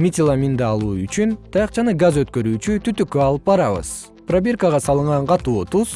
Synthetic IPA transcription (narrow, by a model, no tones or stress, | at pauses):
mʲitʲɪlˠamʲind̪ɑlˠuːyt͡ʃynt̪ʰɑjɑqt͡ʃɑnɯɡazø̞t̪kø̞ɾyːt͡ʃyt̪ʰyt̪ykːøɑlˠɯp̚bɑɾɑβɯ̰z̥ | prabʲerkaʁɑsɑlˠɯɴʁɑɴqɑt̪uːt̪uz̥